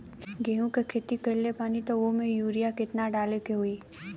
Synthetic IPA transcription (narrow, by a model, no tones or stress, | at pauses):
ɡeːɦũkekʰeːt̪ikəɪlepaːnit̪oʋomẽjuːɾijakɪt̪naɖaːlekeɦuiː